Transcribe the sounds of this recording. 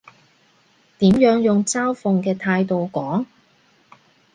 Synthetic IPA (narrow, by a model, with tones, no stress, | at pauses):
t̪iː˨˥mjœː˨˥ŋjʊ˨˩ŋt͡saː˥wfʊ˨˧ŋkɛː˧t̪ʰaː˧jt̪o˨wkɔː˨˥ŋ